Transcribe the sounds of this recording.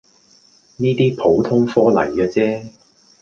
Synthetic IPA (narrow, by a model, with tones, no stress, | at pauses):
niː˥t̪iː˥pʰo˨˥wt̪ʰʊ˥ŋfɔː˥lɐ̰˨˩jkaː˧t͡sɛː˥